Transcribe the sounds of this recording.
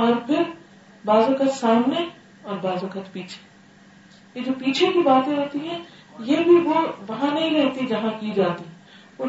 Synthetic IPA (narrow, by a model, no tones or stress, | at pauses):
ɔːɾpʰɪɾ | baːzõkət̪saːmne | ɔːɾbaːzõkət̪piːt͡ʃʰe̥ | jed͡ʒoːpiːt͡ʃʰekibaːt̪ẽɾɛt̪iɦɛ̃ | jebʱiʋoʋɐɦãnɐɦĩɾɛɦt̪id͡ʒɐɦãkid͡ʒaːt̪iɦɛ̃ | o